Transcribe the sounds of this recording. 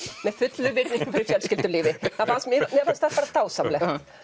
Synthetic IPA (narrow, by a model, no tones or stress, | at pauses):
mɛð̥fʏt̪lʏvɪɾniŋkʏmfɪɾɪɾfjɛlskcɪlt̪ʏɾliːvɪθafasmɪmjɛfaɾst̪apaːɾat̪aːwsamlɛt